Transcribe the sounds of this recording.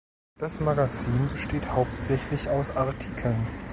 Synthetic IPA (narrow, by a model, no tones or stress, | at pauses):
d̥asmaɡat͡siːnbəʃteːthaʊp̚tz̥ɛçlɪçaʊsʔaʁtʰikʰl̩n